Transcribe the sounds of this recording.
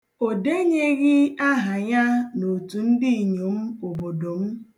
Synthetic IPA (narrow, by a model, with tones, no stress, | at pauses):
o˨de˦ɲe˦ɣɪ˦a˦ɦa˨ɲa˦no˨tu˨n̩˦di˦˨ɲo˨m̩˦o˨bo˨do˨m̩˦